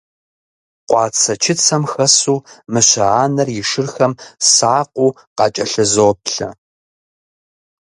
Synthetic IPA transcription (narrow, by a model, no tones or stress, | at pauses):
qʷɑːt͡sʰɐt͡ʃʰɪt͡sʰɐmxɐsuːmɨɕɐaːnɐrjɪʂɨrxɐmsaːqʷuː | qɑt͡ʃʼɐɬɐzoːp̚ɬɐ̰